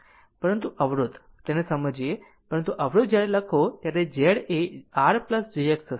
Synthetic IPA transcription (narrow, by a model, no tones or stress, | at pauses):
pəɾənt̪uʔəʋɾud̪ | t̪enesəməd͡ʑije | pəɾənt̪uʔəʋɾud̪̚d͡ʑaɽeləkʰot̪jaɾed͡ʑeɽeaɾpləsd͡ʑieksəs